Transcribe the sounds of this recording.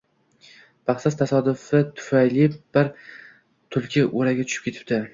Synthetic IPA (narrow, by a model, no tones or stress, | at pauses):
bʰaχsast̪ʰasɒd̪ʊfɪt̪ʰʊ̥fajlɪb̥ɪɾ | t̪ʰʊlˠkʲʰɪʔoɾaɡʲat̪ʰʊ̥ʃɪ̥pkʲet̪ɪ̥p̚t̪ʰɪ